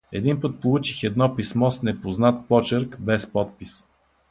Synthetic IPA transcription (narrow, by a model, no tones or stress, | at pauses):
ɛd̪inpət̪̚polˠut͡ʃixɛd̪nɔpismɔsnɛpoznat̪̚pɔt͡ʃəɾkbɛspɔt̪̚pis